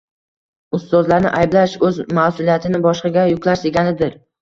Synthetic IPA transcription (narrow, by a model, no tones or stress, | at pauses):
ʊst̪ɒzlaɾnɪ̰ʔajblaʃɵzmasʊlˠijat̪ʰɪnɪbɒʃqɑɡʲajʊkʲlaɾseɡʲanɪd̪ɪɾ